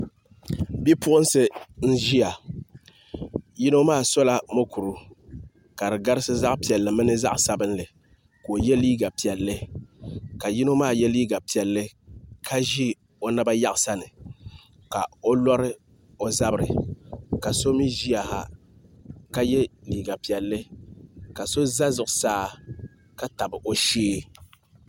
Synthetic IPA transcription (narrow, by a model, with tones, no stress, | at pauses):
bi˦pʊ˦ʔʊ˦n˦sɨ˦n̩˦ʒi˦ja˨ | ji˦no˦maː˦˨so˦la˦mo˦ku˨ɾu˦ | ka˨ɾɨ˨ɡa˦ɾɪ˦sɨ˦za˦ʔpi˨ɛ˨lːɨ˨mɨ˦nɨ˦za̰˦ʔsa˦bɨ˦nlɨ˨ | koː˨jɛ˦liː˦ɡa˨pi˨ɛ˨lːɨ˦ | ka˨ji˦no˦maː˦˨jɛ˦liː˦ɡa˨pi˨ɛ˨lːɨ˦kʰa˦ʒi˦ | o˦na˦ba˦ja˦ʔsa˦nɨ˨ | ka˨o˦lɔ˦ɾɨ˦ | o˦za˦bɨ˨ɾɨ˨ka˨so˦mi˦ʒi˦a˨ha̰˦ | ka˦jɛ˦liː˨ɡa˨pi˨ɛ˨lːɨ˦ka˨so˦za˦zʊ˨ʔʊ˨saː˦ | ka˦ta˨bɨ˨ʔo˨ʃeː˦